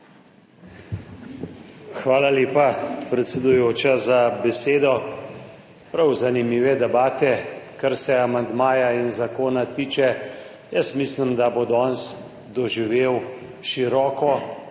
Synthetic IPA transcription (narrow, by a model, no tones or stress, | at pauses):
xʋaːlaleːpapɾɛt̪sɛd̪ujoːt͡ʃazabɛseːd̪ɔ | pɾawzanimiːʋɛd̪ɛbaːt̪ɛkaɾsɛamand̪maːjainzakoːnat̪iːt͡ʃɛ | jəst̪mislimd̪abod̪ɔːns | d̪ɔʒiʋeːw | ʃiɾɔːkɔ